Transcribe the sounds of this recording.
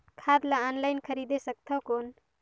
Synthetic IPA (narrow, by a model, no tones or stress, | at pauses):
kʰad̪laanlajnkʰəɾid̪esək̚t̪ʰəkon